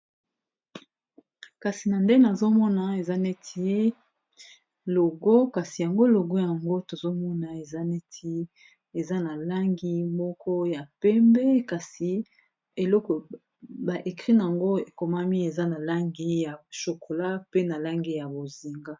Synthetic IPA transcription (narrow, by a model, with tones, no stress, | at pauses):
ka˨si˨na˨nde˦na˨zo˦mɔ˦na˨e˨za˦ne˦tʰi˦ | lo˨ɡo˦ka˨si˨ja˨ŋɡo˦lo˨ɡo˦ja˨ŋɡo˦to˨zo˦mɔ˦na˨e˨za˦ne˦tʰi˦ | e˨za˦na˨la˦ŋɡi˦mɔ˦kʰɔ˦ja˨pɛ˦mbe˦ka˨si˨ | e˨lɔ˦kɔ˨ | ba˨ʔe˨kʁi˦na˨a˨ŋɡo˦e˨ko˨ma˦mi˦e˨za˦na˨la˦ŋɡi˦ja˨ʃo˨ko˨la˦pe˦na˨la˦ŋɡi˦ja˨bo˨zi˨ŋɡa˦